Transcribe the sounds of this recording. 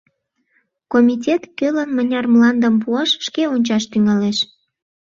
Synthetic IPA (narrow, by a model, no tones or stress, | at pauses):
komʲit̬ʲet̪kølənmənʲɑrmlɑnd̪əmpuɑʃʃkeonʲt͡ɕɑʃt̪yŋɑleʃ